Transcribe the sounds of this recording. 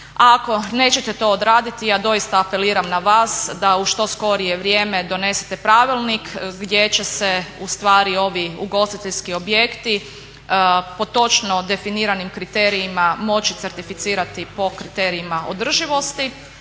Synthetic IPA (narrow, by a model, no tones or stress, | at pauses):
ako̞ne̞ːt͡ɕet̪et̪o̞ːd̪ɾaːd̪it̪ijaːd̪o̞jist̪aːpe̞liːɾamnaʋaːsd̪auʃt̪o̞sko̞ɾijeʋɾjeme̞d̪o̞ne̞se̥t̪epɾaʋilˠnikɡd̪je̞t͡ɕe̞seust̪ʋaːɾio̞ʋiuɡo̞st̪it̪eʎʲskio̞bje̞kt̪i | po̞t̪o̞t͡ʃno̞d̪e̞finiːɾanimkɾit̪e̞ɾiːmamo̞t͡ɕit̪se̞ɾt̪ifit̪siːɾat̪ipo̞kɾit̪e̞ɾiimaʔo̰d̪r̩ʒiʋo̞st̪i